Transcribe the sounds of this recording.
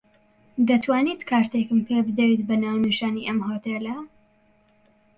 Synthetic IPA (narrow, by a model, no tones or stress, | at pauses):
d̪ɐt̪ʰwaːniːt̪kʰaːɾt̪ekɨmpʰebɨd̪ɐɾiːt̪bɐnaːwniʃaːniʔɐmhot̪elɐ